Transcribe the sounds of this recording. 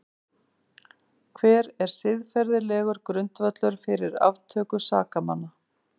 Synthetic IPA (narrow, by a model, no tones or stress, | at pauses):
kʰvɛːɾɛɾ̥sɪðfɛɾðɪlɛːɣʏɾkɾʏnt̪vat̪lœɾ̥fɪɾɪɾa̰vt̪ʰœːkʏsaːkama̰nːa